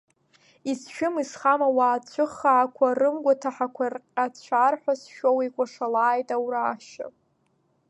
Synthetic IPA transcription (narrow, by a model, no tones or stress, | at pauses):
isʃᶣʊmisχamawaːt͡ɕʷʰɨχːaːkʷʰarɨmɡʷatʰaħakʷʰarqʲʼat͡ɕʷʰarħʷᶣasʃowikʷʼaʂalaːjtʼawɾaːʃa̰pʼ